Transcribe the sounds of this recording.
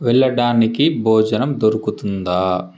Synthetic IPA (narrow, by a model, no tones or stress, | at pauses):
ʋɛɭːɐɽaːnikibʱɔːd͡ʒɐnɐmd̪oɾukut̪und̪aː